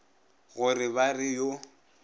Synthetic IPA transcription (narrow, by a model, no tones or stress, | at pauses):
ɣʊrɪβarɪjo